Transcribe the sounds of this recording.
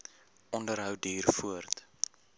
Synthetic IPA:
ɔndəɾɦœwdiːrfuərt

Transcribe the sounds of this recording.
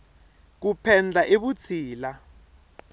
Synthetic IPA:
k̬upʰɛnd͡ɮʱaʔeɓut͡sʰiːla

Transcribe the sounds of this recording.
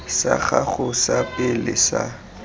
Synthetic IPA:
sa̰χaχʊsapɪlɪ̰sa̰

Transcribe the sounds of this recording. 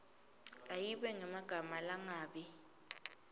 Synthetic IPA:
ajiɓɛŋɛmaɡ̥ʱamalaŋaːɓi

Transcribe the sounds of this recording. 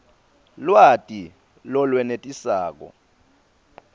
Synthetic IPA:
lwatʼi | lɔlwɛnetʼisaːk̬ɔ̰

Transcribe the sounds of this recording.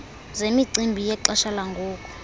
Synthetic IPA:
zemiǀimbʱijɛǃɔʃalaŋɡʱuːk̬ʼɔ̥

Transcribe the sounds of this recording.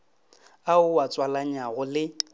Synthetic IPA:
aʊwat͡sʼwalaɲaɣʊlɪ

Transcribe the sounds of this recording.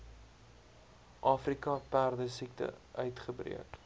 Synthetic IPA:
ʔɑːfrikɐpæːrdəsik̚tə̰ʔœɥtχəbrḭək

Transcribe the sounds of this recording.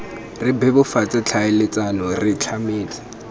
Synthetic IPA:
rɪbɛbʊfat͡sʼat͡ɬʰaɪlɪt͡sʼanɔrɪt͡ɬʰameːt͡sʼḁ

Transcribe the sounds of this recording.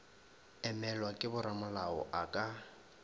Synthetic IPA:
ɛmɛlwakʼɪbʊɾamʊlaɔ̰ʔakʼa

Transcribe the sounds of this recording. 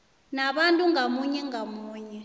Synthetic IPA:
naɓantʼuŋamuɲɛŋamuːɲɛ

